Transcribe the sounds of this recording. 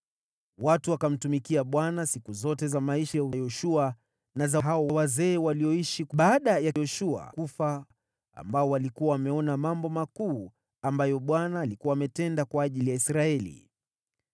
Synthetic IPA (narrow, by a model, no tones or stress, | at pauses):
watuwakam̩tumikiaɓwanasikuzɔtɛzamaiʃajaujɔʃua | nazaɦaɔwawazɛːwaliɔiʃiɓaːɗajajɔʃua̰kufa | a̰mbaɔwalikuwawamɛɔnamambɔmakuː | ambajɔɓwanaːlikuwaːmɛtɛndakwaːʄilijaisɾaɛlḭ